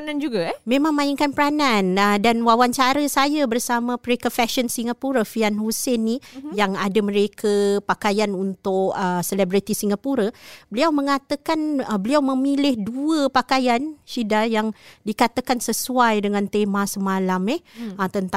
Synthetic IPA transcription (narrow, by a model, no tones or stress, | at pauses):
nand͡ʒuɡamẽmãŋmãɪŋkanpəɾananədanwawant͡ʃaɾəsajabərsamãpəɾekafɛʃənsiŋapuɾafianhusɪnːijaŋadaməɾekʰəpakajanunt̪ʊkəsəlɛbɾit̪isiŋapuɾabəliawmə̃ŋat̪əkanəbəliawmə̃milɪhduəpakajanʃidajaŋdikat̪akansəsuajdəŋant̪emãsəmãlamɛht̪ənt̪a